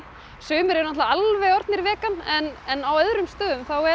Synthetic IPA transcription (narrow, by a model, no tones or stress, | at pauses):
sʏːmʏɾɛɾʏnaht̪aalvɛjɔɾt̪nɪɾvɛːkanɛnɛnawœðɾʏmst̪œːðʏmθawɛ